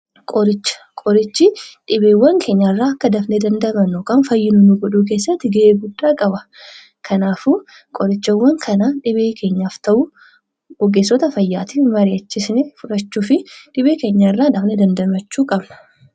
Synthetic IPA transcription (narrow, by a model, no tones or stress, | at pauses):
kʼɔɾɪt͡ʃːɐ̥ | kʼɔɾɪt͡ʃːɪᶑɪbeːwːɐŋkʰe̞ːɲːɐɪrːaːɐkːɐd̪ɐfned̪ɐnd̪ɐmɐnoːkaːnfɐjːɪnʊnuɡɔᶑuːk̬e̞ːsːɐt̪ːɪɡɐʔeːɡʊdːaːkʼɐbɐ | kʰɐnaːfu | kʼɔɾɪt͡ʃːɐwːɐŋkʰɐnaːᶑɪbeːkʰe̞ːɲːaːft̪ɐʔʊ | ɡɔɡːeːsːɔt̪ɐfɐjːaːt̪imɐɾɪɐt͡ʃːɪsnɛfʊᶑɐt͡ʃːuːfɪᶑɪbeːke̞ːɲːaɪrːaːd̪ɐfned̪ɐnd̪ɐmɐt͡ʃːuːkʼɐbnɐ̥